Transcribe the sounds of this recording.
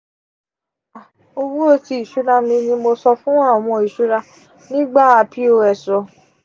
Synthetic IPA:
a˨ | o˧wũ˦o˧˦ti˧i˨ʃu˨˦ɾa˧mĩ˧nĩ˧mo˧sɔ˧fũ˦a˦˨ɔ˨w̃ɔ̃˧i˨ʃu˨˦ɾa˧ | nĩ˦ɡ͡ba˦˨a˧pi˦o˧ɛ˨sɔ˨

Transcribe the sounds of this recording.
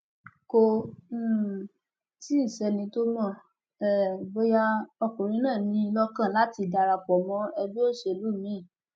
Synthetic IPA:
ko˧˦˨ | ti˦i˦˨sɛ˨˧nĩ˧˦to˦mɔ̃˦˨ | ɛ˨ɡ͡bo˧ja˧ɔ˧kũ˨ɾ̃ĩ˧˦nãː˦˨nĩ˧˦˧lɔ˦kã˦˨la˨˦ti˧˨da˨˧ɾa˧˨k͡pɔ˨mɔ̃˦ɛ˧bi˦o˦˨ʃe˧˨˧lu˦˨mĩ˨˦˨

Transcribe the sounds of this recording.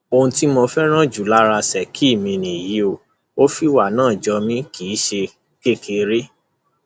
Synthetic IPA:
o˧ũ˧ti˦mo˧fɛ˦ɾ̃ã˦d͡ʒu˨la˦ɾa˧sɛ˨kʰi˦˨mĩ˧nĩ˨ji˨˦o˨ | o˦fi˦wa˦˨nãː˦˨d͡ʒɔ˧mĩ˦ki˨˦ʃe˧ | ke˦kʰe˧ɾe˦

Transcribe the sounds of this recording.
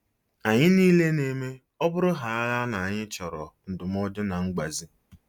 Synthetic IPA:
a˨ɲɪ˦niː˦le˦ne˨me˦ | ɔ˦bʊ˦ɾʊ˦ɦa˨a˦la˦na˨a˨ɲɪ˦t͡ʃɔ˨ɾɔ˨n̩˨dʊ˨m˦ɔ˦dʊ˦na˨ŋ͡m̩˦ɡ͡ba˨zi˦

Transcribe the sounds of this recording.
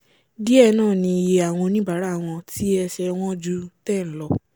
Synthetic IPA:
di˦ɛ˦˧nãː˦˨nĩ˧i˧je˧a˨w̃ɔ̃˧o˧nĩ˦ba˨˦ɾa˨˦˨w̃ɔ̃˧tʰi˦ɛ˧ʃɛ˧w̃ɔ̃˦d͡ʒu˦tɛ̃˦˨lɔ˧

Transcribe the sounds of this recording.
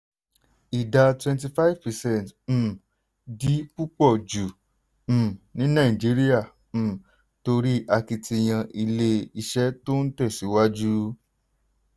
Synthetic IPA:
i˨da˧twɛ̃˧nt̬i˧fa˦i˦vpɛ˨sɛ̃˦˨t̩ː˨ | di˨˦pu˦k͡pɔ˦˨d͡ʒũ˨ | nĩ˨˦nã˦˨ĩ˨d͡ʒi˨˦ɾi˦ã˦˨ | to˧ɾi˦ʔa˧ki˧ti˧˨j̃ã˧ʔi˧le˧i˧˨ʃɛ˨˦to˦n̩˦tɛ˦˨si˨˦wa˦d͡ʒu˦

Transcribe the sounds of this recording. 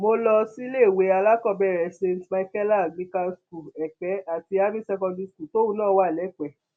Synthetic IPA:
mo˧lɔ˧si˦le˦˨we˨˦a˧la˦kɔ˦˨bɛ˦˨ɾɛ˨sẽ˧n˨tma˧kɛ˦la˦˨ɡ͡bĩ˨˦ka˧sku˨ɛ˨k͡pɛ˨˦a˨ti˧a˦bĩ˦sɛ˧kɔ̃˧di˧sku˨to˦wũ˦nãː˦˨˦wa˦˨lɛ˨˦k͡pɛ˨˦

